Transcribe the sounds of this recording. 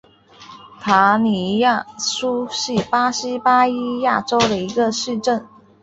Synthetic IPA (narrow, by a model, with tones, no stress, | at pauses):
t̪ʰa˧˥ni˧˥ja˥˩su˥ɕi˥˩pa˥ɕi˥pa˥i˥ja˥˩ʈ͡ʂo˥ʊd̪ə˨i˧˥ɡə˧ʂɻ̩˥˧ʈ͡ʂə˥˩n